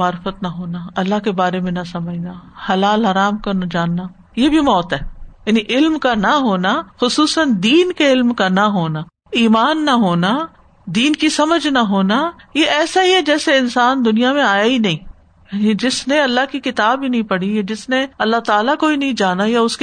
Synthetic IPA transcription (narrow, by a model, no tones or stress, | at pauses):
aːɾfət̪nɐɦoːnaɐlːaɦkebaːɾemẽnɐsɐməd͡ʒnahɐlaːlɦɐɾaːmkɐɾnd͡ʒaːnːa | jebʱimɔːt̪ɦɛːjaːniʔɪlmkanɐɦoːnaxʊsuːsənd̪iːnkeɪlmkanaɦoːna | iːmaːnːaɦoːna | d̪iːnkisɐməd͡ʒʱnaɦoːnajeʔɛːsaɦiɦɛd͡ʒɛːseɪnsaːnd̪ʊnijamẽaːjainɐɦĩː | jaːnid͡ʒɪsneɐlːaɦkikɪt̪aːbinɐɦĩpɐɽ̤iad͡ʒɪsneɐlːaɦt̪aːlakoːinɐɦĩd͡ʒaːnajaʊsk